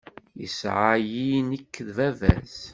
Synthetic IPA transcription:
jəsʕajinəkːðvævæ̰z

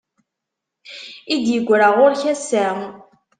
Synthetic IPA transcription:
id̪jəɡʷːɾəʁʊɾçæsːæ

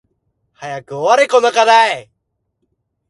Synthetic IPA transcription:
hajakɯaɾekonakaðae

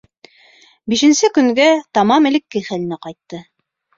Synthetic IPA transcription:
biʃɘ̆nsɘkɵ̆ŋɡæt̪ɑmɑmɘ̆lɘ̆kːɘjχælɘ̆nɘqɑjt̪ːɤ

